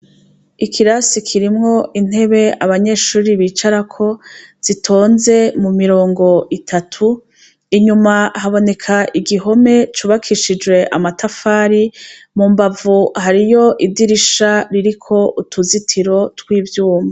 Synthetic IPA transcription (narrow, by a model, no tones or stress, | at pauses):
ikʰiɾasikʰiɾimŋo̞ʔin̥e̞βe̞aβaɲeːʃuːɾiβiːt͡ʃaɾakʰo̞z̥itʰo̞ːnze̞mumiɾo̞ːŋɡo̞ʔitʰatʰu | iɲumahaβo̞ne̞kʰaʔiɡiɦo̞me̞t͡ʃuːβakʰiʃid͡ʒwe̞ʔamatafaːɾi | muːmbavuhaɾijo̞ʔidiɾiʃaɾiɾikʰo̞ʔutʰuzitʰiɾo̞twiːvjuːma